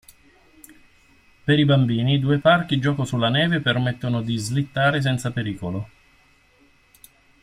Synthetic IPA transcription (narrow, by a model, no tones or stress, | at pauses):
peɾibambiːnid̪uːeparkid͡ʒɔːkosulːanɛːvepermet̪ːonod̪izlit̪ːaːɾes̬ɛnt̪sapeɾiːkolo